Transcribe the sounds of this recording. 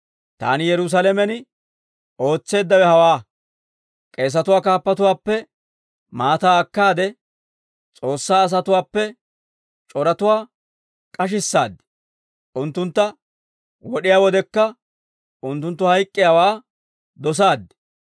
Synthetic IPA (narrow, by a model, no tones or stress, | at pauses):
t̪a̰ːnɪjɛɾʊs̬alɛmɛnɪ | o̞ːt͡sːe̞ːd̪ːɐwɛhɐwaː | kʼe̞ːs̬ːɐt̪ʊwaːkaːpːɐt̪ʊwaːpːɛ | maːt̪aːɐkːaːd̪ɛ | t͡sʼo̞ːsːaːs̬ɐt̪ʊwaːpːɛ | t͡ʃʼɔɾɐt̪ʊwaː | kʼɐʃ̬ɪsːaːd̪ɛ̥ | ʔʊnt̪ːʊnt̪ːɐ | wɔɗɪjaːwɔd̪ɛkːɐ | ʔʊnt̪ːʊnt̪ːʊhɐjkʼːɪjaːwaː | d̪ɔs̬aːd̪ːɛ̥